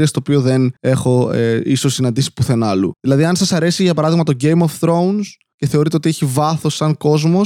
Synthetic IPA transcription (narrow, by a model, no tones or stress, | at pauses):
iɐst̪oːpio̞ðe̞ne̞xo̞ḛiso̞sinɐnd̪isi̥puθe̞nɐlṵðilɐðiɐnsɐsɐɾe̞siʝɐpɐɾɐðiɣmɐt̪oɟe̞jmofθɾouns | ce̞θe̞o̞ɾit̪eot̪ieçivɐθo̞sɐŋko̞zmo̞